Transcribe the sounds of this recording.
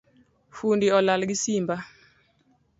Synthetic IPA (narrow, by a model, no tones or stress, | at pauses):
fundiɔlalɡisimba